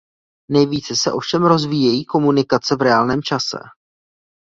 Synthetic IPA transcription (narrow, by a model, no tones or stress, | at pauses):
nɛjviːt͡sɛsɛʔo̞fʃɛmɾo̞zviːjɛjiːko̞munɪkat͡sɛvɾɛaːlnɛːmt͡ʃasɛ̰